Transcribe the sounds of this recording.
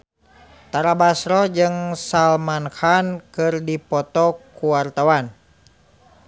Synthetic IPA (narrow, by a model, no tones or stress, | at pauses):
t̪aɾabasɾɔd͡ʒɨŋsalmankankɨrdipɔt̪ɔkuwart̪awan